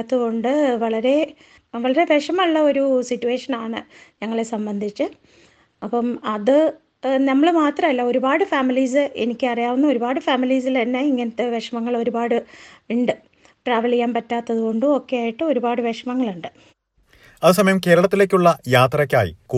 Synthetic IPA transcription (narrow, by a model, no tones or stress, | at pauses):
t̪ːɐðɣo̞ɳɖɨʋɐɭɐɾe̞ | ʋɐɭɐɾe̞ʋeʂɐmɐuɭːɐo̞ɾusitːue̞ːʂɐnaːɳɨ̰ɲɐŋːɐɭe̞sɐmbɐnd̪ʱit͡ɕːɨ | ɐpːɐmɐðɨ | nɐmːɐɭmaːt̪rɐmɐlːɐo̞ɾubaːɽɨfaːmiliːs̬ɨenikʲːɨɐrijaːʋunːuo̞ɾubaːɽɨfaːmiliːs̬ilt̪ɐnːe̞iŋːɐnɐt̪ːe̞ʋeʂɐmɐŋːɐɭo̞ɾubaːɽɨʋiɳɖɨ | ʈraːʋɐlikjːaːmpɐtːaːt̪ːɐðuɣo̞ɳɖɨo̞kːe̞jaːjiʈːɨo̞ɾubaːɽɨʋeʂɐmɐŋːɐɭuɳɖɨ | ɐðɨsɐmɐjɐmke̞ːɾɐɭɐt̪ːile̞ːkʲːuɭːɐjaːt̪rɐkʲːa̰ːjḭk